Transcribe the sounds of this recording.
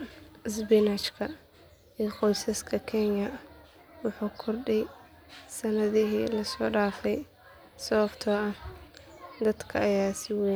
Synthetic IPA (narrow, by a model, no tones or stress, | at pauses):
sbɛnat͡ʃkʰɐ | iːqɔjsɐskʰɐkʰɛnjɐ | wʊħuːkʰʊrɖɛj | sɐnɐðɪɦḭːlɐsɔːɖaːfɛj | sɔβɐft̪ʰɔːʔɐ | d̪ɐd̪kʰɐːjaːsɪwɛ